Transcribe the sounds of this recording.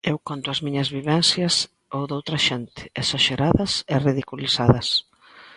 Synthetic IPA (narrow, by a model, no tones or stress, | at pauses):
ewkont̪ʊɐzmiɲɐzβiβɛnsjɐs | owðowt̪ɾɐʃɛnt̪ɪ̥esaʃeɾaðɐsɪriðikuliθaðɐs